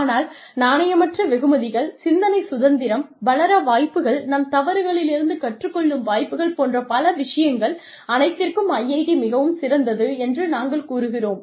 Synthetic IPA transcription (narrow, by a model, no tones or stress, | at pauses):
aːnaːl | naːnɐjɐmɐʈrɐʋɛɣɯmɐðɪɣɐɭsɪnd̪ɐnɐɪsʊðɐnd̪ɪɾɐmbɐlɐɾɐʋaːjpːɯɣɐɭnɐmt̪ɐʋɐɾɯɣɐɭɪlɪɾɯnd̪ɯkɐʈrɯkːɔɭːɯmʋaːjpːɯɣɐɭpoːndrɐpɐlɐʋɪʂɐjɐŋɡɐɭ | ɐnɐɪt̪ːɪrkɯmɐjːɐɪðimɪɣɐʋɯmsɪɾɐnd̪ɐðɯɛndrɯnaːŋɡɐɭkuːɾɯɣɪroːm